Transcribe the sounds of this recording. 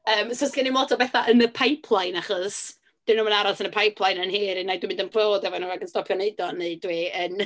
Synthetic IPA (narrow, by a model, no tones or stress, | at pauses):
əːmsɔskɛnimɔtʰɔbɛθaʔənəpʰajpʰlˠajnaχɔs | d̥ɪnuːmənaɾɔsənəpʰajpʰlˠajnənhiːɾinadwɪimɪndənpʰloːdɛvɔnuːaɡənstɔpʰjɔneɨdɔneɨdwiːən